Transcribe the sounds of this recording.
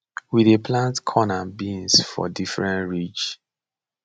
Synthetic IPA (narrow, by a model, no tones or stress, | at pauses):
wiðeplãntkʰɔnabĩnsfɔ̰difɹɛ̃ntɹit͡ʃ